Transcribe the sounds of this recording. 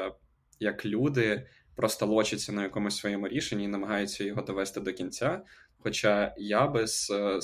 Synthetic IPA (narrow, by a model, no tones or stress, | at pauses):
jɐklʲud̪ɪ | pɾɔst̪ɐlˠɔt͡ʃɪt͡sʲːɐnɐjɐkɔmʊsʲsʋɔjɛmʊɾʲiʃenʲːiːnɐmɐɦɑjʊt͡sʲːɐjɔɦɔd̪ɔʋɛst̪ɪd̪ɔkʲinʲt͡sʲa | xɔt͡ʃajabɪz̥